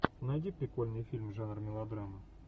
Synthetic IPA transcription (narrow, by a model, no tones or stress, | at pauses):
nɐjdʲipɾʲɪkolʲnɨjfʲilʲmʐanrmʲɪlˠɐd̪ɾamə